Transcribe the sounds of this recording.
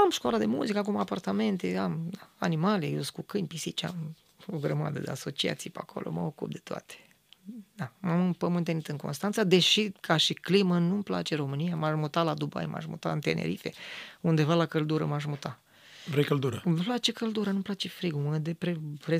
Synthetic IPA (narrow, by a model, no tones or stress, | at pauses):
amʃkoalad̪e̞mṵzikəak̬umapart̪ame̞nt̪eamd̪aanimalejewskukɨnʲpisit͡ʃa̰m | oɡɾəma̰d̪əd̪ḛaso̞t͡ʃia̰t̪sijpeakʰo̞̰lʔo̰mə̰okṵp̚d̪e̞̥t̪oa̰t̪e̥ | d̪amamɨmpəmɨnt̪enit̪ɨŋko̞̰nst̪ant̪sad̪e̞ʃikʰaʃiklimənumpla̰t͡ʃe̞ɾo̞mɨnijamaʃmut̪alad̪uba̰jmʔa̰ʃmṵt̪a̰ɨnt̪enʔḛɾḭfḛund̪e̞valakəld̪uɾəmaʃ̬mut̪a | vɾejkəld̪uɾəplat͡ʃe̞kəld̪uɾənumplat͡ʃe̞fɾiɡuməd̪epɾepɾe